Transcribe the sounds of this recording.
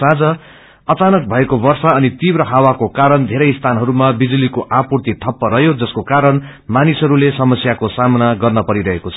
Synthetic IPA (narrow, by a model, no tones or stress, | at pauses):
ãd͡zʌ | ʌt͡sanʌk̚bʱʌekobʌrsʌʌnit̪ibrʌɦawakokaɾʌnd̪ʱeɾʌjst̪ʰanɦʌɾumabid͡zulikoʔapurt̪it̪ʰʌpːʌɾʌɦjod͡zʌskokaɾʌn | manisɦʌɾulesʌmʌsjakosamnaɡʌrnʌpʌɾiɾʌɦekot͡sʰʌ̥